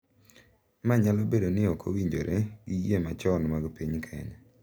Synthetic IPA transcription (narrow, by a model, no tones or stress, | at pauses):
maɲalɔbedonɪɔkʰo̰wiɲd͡ʒoɾʔeɡɪjemat͡ʃɔnmaɡpiɲkʰɛ̰ɲ